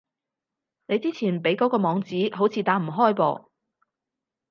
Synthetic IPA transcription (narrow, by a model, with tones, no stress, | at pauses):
ne˨˧jt͡siː˥t͡sʰiː˨˩npe˨˥jkɔː˨˥kɔː˧mɔː˨˧ŋt͡siː˨˥ɦo˨˥wt͡sʰiː˧t̪aː˨˥m̩˨˩ɦɔː˥˩jpɔ̰ː˧